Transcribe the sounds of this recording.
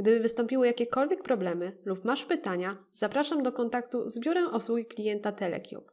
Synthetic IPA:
ɡd̪ɘbɘvɘst̪ɔ̃mpʲiwɘjakʲɛkɔlvʲjɛk̚pɾɔblɛmɘlupmaʂpɘt̪aɲazapɾaʂamd̪ɔkɔnt̪akt̪uzbʲjuɾɛmʔɔswuɡʲiklʲijɛnt̪at̪ɛlɛ̰kʲjṵp

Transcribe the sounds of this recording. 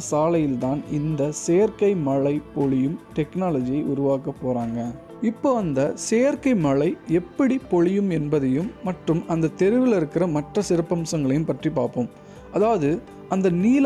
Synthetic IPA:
saːlɐjɪlt̪aːnɪnd̪ɐseːɐɾkɐɪmɐɭɐɪpɔɭɪjɯmʈɛknaːlɐd͡ʒɪjɐɪʔʊɾʊʋaːkɐpːoːɾaːŋɡɐ | ɪpːoːɐnd̪ɐseːɾkɐɪmɐɭɐɪɛpːɐɽipɔɻɪjɯmɛnbɐðɐjɯmːɐʈrɯmɐnd̪ɐt̪ɛɾɪʋɪlɪɾɯkːɪɾɐmɐʈrɐsɪɾɐpːɐmsɐŋɡɐɭɐjɯmpɐʈripaːɾpoːm | ɐðaːʋɐðɯ | ɐnd̪ɐniːl

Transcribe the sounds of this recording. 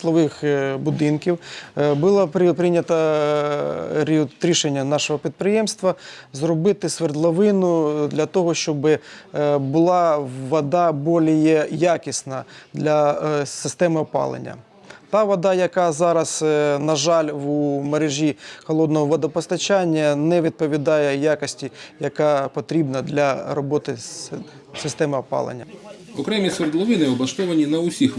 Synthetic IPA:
t̪lˠɔʋɪxbʊd̪ɪnkʲiwbʊlˠɑppɾɪnʲɐt̪ɐ | ɾʲiɾʲiʃenʲːɐnɑʃɔɦɔpʲid̪̚pɾɪjɛmst̪ʋɐzrɔbɪt̪ɪsʋerd̪lˠɐʋɪnʊd̪lʲɐt̪ɔɦɔʃt͡ʃɔbɪ | bʊlˠɑʋɐd̪ɑbɔlʲijɛjakʲisnɐd̪lʲɐsɪst̪ɛmɪɔpɑ̰lˠḛnʲːɐ̰ | t̪ɑʋɐd̪ɑjɐkɑzɑɾɐznɐʒɑlʲwumeɾeʒʲixɔlˠɔd̪nɔɦɔʋɔd̪ɐpɔst̪ɐt͡ʃanʲːɐnɛʋʲid̪̚pɔʋʲid̪ɑjɛjakɔsʲtʲijɐkɑpɔt̪ɾʲibnɐd̪lʲɐɾɔbɔt̪ɪ | sɪst̪ɛmɪɔpɑ̰lˠḛnʲːɐ | ɔkɾɛmʲisɔrd̪lˠɔʋɪnɪɔblˠɐʃt̪ɔʋɐnʲinɐʊsʲix

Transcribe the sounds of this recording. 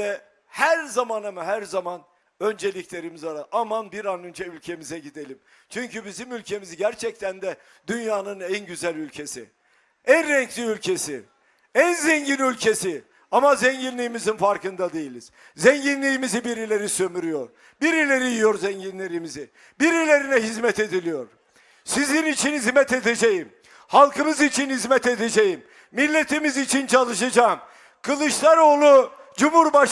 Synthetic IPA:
ɛ | hæɾzamanamɛɦæɾzaman | ø̞nd͡ʒe̞lʲiclʲe̞ɾimizaɾaʔamanbiɾanønd͡ʒɛylʲcʰe̞mizɛɟid̪e̞lʲim | t͡ʃʰyɲcybizimylʲcʰe̞miziɟæɾt͡ʃʰɛc̚t̪ʰænd̪ɛ | d̪ynjaːnɯnænɟyzælʲylʲcʰe̞sḭ | ænɾɛɲcʰlʲiylʲcʰe̞si | ænzɛɲɟinylʲcʰe̞si | amazɛɲɟinlʲijːmizinfaɾkɯnd̪ad̪e̞jilʲiz̥ | zɛɲɟinlʲijːimizibiɾilʲe̞ɾisømyɾyjo̞ɾ | biɾilʲe̞ɾijijo̞ɾzɛɲɟinlʲeɾimizɪ | biɾilʲe̞ɾinɛɦizmɛt̪e̞d̪ilʲijo̞ɾ | sizinit͡ʃʰinhizmɛt̪e̞d̪e̞d͡ʒejim | halˠkɯmɯzit͡ʃʰinhizmɛt̪e̞d̪ed͡ʒejimː | ilʲːe̞t̪ʰimizit͡ʃʰint͡ʃʰalˠɯʃad͡ʒaːm | kʰɯlˠɯʃlˠaɾo̞ːlˠu | d͡ʒumhuɾbaʃ

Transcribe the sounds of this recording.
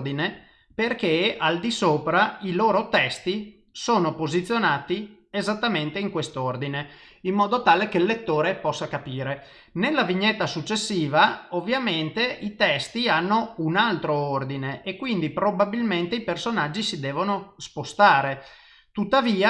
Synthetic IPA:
d̪ine | perkeald̪isoːpɾailoːɾot̪ɛst̪i | soːnopozit̪sːjonaːt̪i | ezat̪ːament̪eiŋkwest̪ord̪ine | imːɔːd̪ot̪aːlekelːet̪ːoːɾepɔsːakapiːɾe | nelːaviɲːet̪ːasut͡ʃːesːiːvaovːjament̪eit̪ɛst̪ianːounalt̪ɾoord̪ineʔekːwind̪ipɾobabilment̪eipersonad͡ʒːisid̪ɛːvonospost̪aːɾe | t̪ut̪ːaviːa

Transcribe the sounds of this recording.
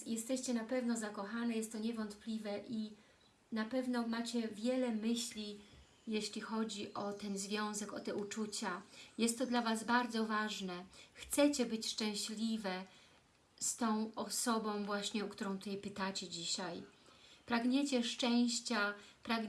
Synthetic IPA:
jɛst̪ɛɕt͡ɕɛnapɛvnɔzakɔxanɛjɛst̪t̪ɔɲɛvɔnt̪plʲivɛʔi | napɛvnɔmat͡ɕɛvʲjɛlɛmɘɕlʲi | jeɕlʲixɔd͡ʑiʔɔt̪ɛnzvʲjɔ̃w̃zɛkɔt̪ɛut͡ʂut͡ɕajɛst̪ːɔd̪lavazbaɾd̪zɔvaʐnɛxt̪sɛt͡ɕɛbɘt͡ɕʂt͡ʂɛ̃w̃ɕlʲivɛ | st̪ɔ̃w̃ɔsɔbɔ̃w̃vwaɕɲɛukt̪uɾɔ̃w̃t̪ut̪ɛjpɘt̪at͡ɕɛd͡ʑiɕajpɾaɡɲet͡ɕɛʂt͡ʂɛ̃w̃ɕt͡ɕapɾaɡ

